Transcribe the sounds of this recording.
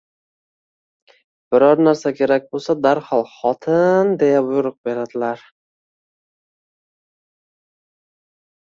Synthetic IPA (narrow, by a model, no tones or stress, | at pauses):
b̥ɪɾɒɾnaɾsakʲʰe̞ɾak̚ʲbolˠsad̪aɾhɒlˠχɒt̪ʰɪnd̪e̞jabʊjʊɾɨq̚be̞ɾad̪ɪlaɾ